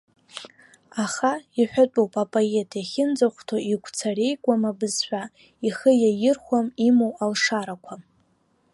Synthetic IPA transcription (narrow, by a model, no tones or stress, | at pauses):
aχaiħʷᶣat͡pʷʼowpʼapʼoe̞tʰjaχʲɪnd͡zaχʷtʰaiɡʷʰt͡sʰare̞jɡʷʼamabɨzħʷᶣa | iχəjajɪrχʷamimowalʂaɾakʷʰa